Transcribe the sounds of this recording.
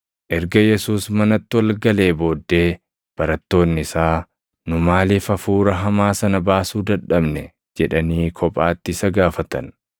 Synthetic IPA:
ʔɛɾɡɐjɛsuːsmɐnɐt̪ːɪwɐlɡɐle̞ːbo̞ːd̪ːe̞ː | b̥ɐɾɐt̪ːo̞ːnːɪɪsaː | nʊmaːlifɐfuːɾɐɦɐmaːsɐnɐbaːsuːd̪ɐᶑɐbnɛ | d͡ʒɛᶑɐniːkʰɔpʼaːt̪ːɪɪsɐɡaːfɐt̪ɐn

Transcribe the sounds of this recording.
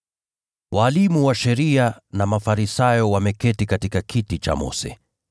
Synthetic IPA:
wʔaːlimuwaʃɛɾianamafaɾisajɔwamɛkɛtikatikakʰitit͡ʃa̰mɔ̰sɛ̰

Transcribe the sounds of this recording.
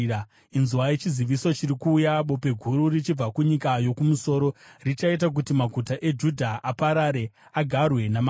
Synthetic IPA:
inzuwajet͡ʃiziʋisot͡ʃiɾikuːjaɓo̞pe̞ɡʱuɾurit͡ʃib͡vakuɲikajo̞kumuso̞ːɾo̞rit͡ʃait̬ak̬utimaɡʱutaʔe̞d͡ʒudʱaʔapaɾaɾe̞aɡʱarwe̞nam

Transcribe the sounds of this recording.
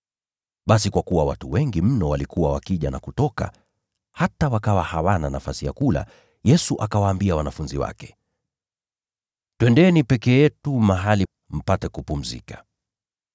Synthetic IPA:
ɓas̬ikwakuwawatuwɛŋɡim̩nɔwalikuwawakiʄanakutɔka̰ | hatawakawahawananafasija̰kula̰ | jɛsuʔakawaːmbiawanafunziwa̰kɛ̥ | tɛndɛɛnipɛkɛjɛtumaɦali | m̩patɛkupum̩zḭkḁ

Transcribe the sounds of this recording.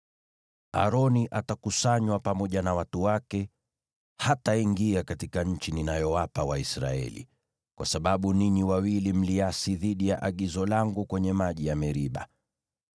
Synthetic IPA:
a̰ɾɔniʔatakusaɲwapamɔʄanawatuwakɛ | hataiŋɡiakatikaɲ̩t͡ʃininajɔwapawaisɾa̰ɛ̰lḭ | kwa̰saɓaɓuniniwawilim̩liasiðiɗijaʔaɠizɔlaŋɡukwɛɲɛmaʄijamɛɾiɓa̰

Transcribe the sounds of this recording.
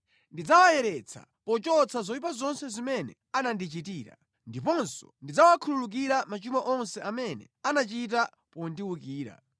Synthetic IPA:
ndid͡zawajɛɾɛt͡sʰa̰ | pɔt͡ʃɔt͡sʰazɔipazɔnsɛzimɛnɛ̰ | anandit͡ʃitiːɾa̰ | ndipɔnsɔ̥̰ndid͡zawakʰululuk̬iɾamat͡ʃumaʔɔnsɛʔamɛnɛ̰ | anat͡ʃit̬a | pɔndiwukiːɾa̰

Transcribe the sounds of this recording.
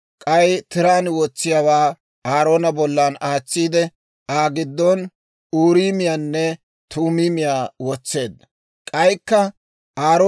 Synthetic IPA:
kʼɐjt̪ɪɾaːnwɔt͡sːɪjawaː | aːɾo̞ːnɐbɔlːaːnaːt͡sːiːd̪ɛ | aːɡɪd̪ːɔn | uːɾiːmɪjaːnːɛ | t̪uːmiːmɪjaːwɔt͡sːe̞ːd̪ːɐ | kʼɐjkːɐ | ʔaːɾo

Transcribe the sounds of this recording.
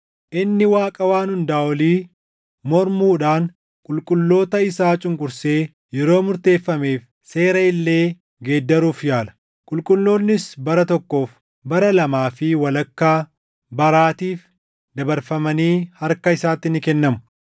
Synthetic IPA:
ʔɪnːɪwaːkʼɐwaːnhʊnd̪aːwɔliː | mɔɾmuːᶑaːn | kʼʊlkʼʊlːo̞ːt̪ɐɪsaːt͡ʃʼʊŋkʼʊɾse̞ː | jɛɾo̞ːmʊɾt̪e̞ːfːɐme̞ːf | se̞ːɾɐɪlːe̞ː | ɡeːd̪ːɐɾuːfjaːlɐ̥ | kʼʊlkʼʊlːo̞ːnːɪsbɐɾɐt̪ɔkːo̞ːf | bɐɾɐlɐmaːfɪwɐlɐkːaː | bɐɾaːt̪iːf | d̪ɐbɐɾfɐmɐniːhɐɾkɐɪsaːt̪ːɪnɪkɛnːɐmʊ̥

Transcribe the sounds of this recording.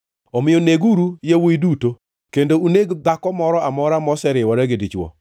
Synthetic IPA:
omɪjoneɡuɾujawoiduto | kendouneɡd̪akɔmɔɾɔamɔɾamɔsɛɾɪwɔɾɛɡedit͡ʃwɔ̰

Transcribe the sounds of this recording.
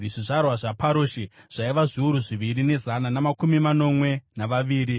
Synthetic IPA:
ʐiʐarwaʐapaɾoːʃeʐ̥aiʋaʐiuɾuʐiʋirine̞zananamakumimano̞mwe̞naʋaʋiːɾi

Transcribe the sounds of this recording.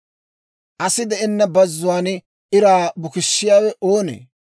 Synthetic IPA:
ʔɐsɪd̪ɛʔɪnːɐbɐzːʊwaːn | ɪɾaːbʊkɪʃːɪjaːwɛʔoːnḛː

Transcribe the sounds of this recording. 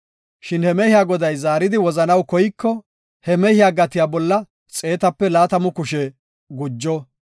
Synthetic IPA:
ʃɪnhɛmɛhɪjaːɡɔd̪ɐjzaːɾɪd̪ɪwɔzɐnɐwkɔjɪkːɔ | hɛmɛhɪjaːɡɐt̪ɪjaːbɔlːɐ | t͡sʼe̞ːt̪ɐpːɛlaːt̪ɐmʊkʊʃɛ | ɡʊd͡ʒːɔ

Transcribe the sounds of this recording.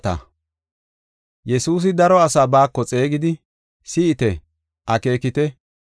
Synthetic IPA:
t̪ɐ̰ | jɛsuːs̬ɪd̪ɐɾɔɐsaːbaːkːɔt͡sʼe̞ːɡɪd̪ɪ | sɪːt̪ɛ | ʔɐke̞ːkɪt̪ɛ

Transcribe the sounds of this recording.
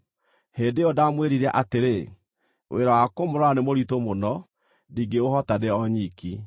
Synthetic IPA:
heːndeɔdamweɾiɾaʔateɾe | wʔḛɾɔwakomoɾɔanemoɾitomonɔ | diɡeohɔtadeɔɲiki

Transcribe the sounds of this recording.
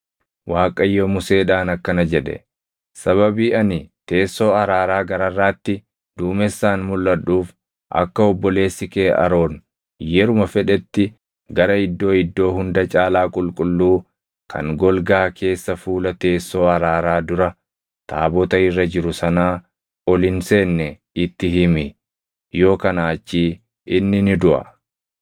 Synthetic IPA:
waːkʼɐjːoːmʊse̞ːᶑaːnɐkːɐnɐd͡ʒɛᶑɛ̰ | sɐβɐbiːɐnɪt̪e̞ːsːo̞ːɐɾaːɾaːɡɐɾɐrːaːt̪ːɪ | d̪̥uːmɛsːaːnmʊlːɐᶑuːf | ʔɐ̰kːɐɔbːɔle̞ːsːɪkeːʔɐ̰ɾo̞ːn | jɛɾʊmɐfɛᶑɛt̪ːɪ | ɡɐɾɐɪd̪ːo̞ːɪd̪ːo̞ːɦʊnd̪ɐt͡ʃʼaːlaːkʼʊlkʼʊlːuː | kʰɐ̰ŋɡɔlɡaːkʰe̞ːsːɐfuːlɐt̪e̞ːsːo̞ːɐɾaːɾaːd̪ʊɾɐ | t̪ʰa̰ːbɔt̪ɐɪrːɐd͡ʒɪɾʊsɐnaː | ɔlɪnse̞ːnːɛ | ɪt̪ːɪɦɪmɪ | jo̞ːkɐnaːt͡ʃːiː | ʔɪnːɪnɪd̪ʊʔɐ̰

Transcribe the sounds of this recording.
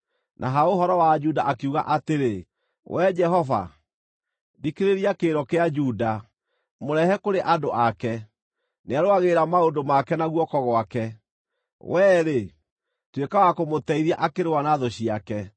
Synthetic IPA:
nʔa̰ɦaoɦɔɾɔwad͡ʒudaʔakeuɣa̰ʔateɾe | wʔɛd͡ʒɛɦɔva̰ | dikeɾeɾiakeːɾɔkead͡ʒuda | moɾɛhɛkoɾeʔadoʔakɛ | neaɾoaɣeɾamaodomakɛnaɣwɔkɔɣɔakɛ | wɛːɾe | twekawakomotɛiðiaʔakeɾewanaðɔɕiakɛ

